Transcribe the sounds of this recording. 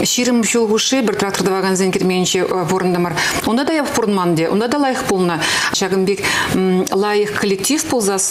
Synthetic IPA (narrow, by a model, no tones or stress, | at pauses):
ʃiɾɪmʒolˠʁuʃəbɪɾt̪rakt̪o̞rd̪əvɑɡanzenŋkʲʰeɾmeɡɪnʃewoɾənd̪əmɑɾwo̞nd̪ɑd̪ɑjɑbəqpoɾənmɑnd̪ewo̰nd̪ɑd̪ɑlˠɑjəqbolˠənəʃɑʁəmbek | lˠɑjəqkʰolʲːek̚t̪ʲifpʰolˠzɑs